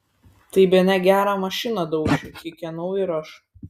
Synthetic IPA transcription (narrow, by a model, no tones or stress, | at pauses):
t̪ɐɪbʲɛnʲɛɡʲæːɾɑmɐʃʲɪnɐd̪ɒʊt͡ʃʲʊkʲɪkʲɛnɐʊɪɾɐʃ